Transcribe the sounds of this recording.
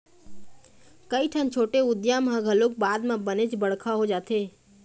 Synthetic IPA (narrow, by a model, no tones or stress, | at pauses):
kəiʈʰaːnt͡ʃʰoːʈeʊd̪jãmɦãɡʱəlok̚baːd̪mãbənet͡ʃbəɽ̤kʰaɦod͡ʒaːt̪ʰeː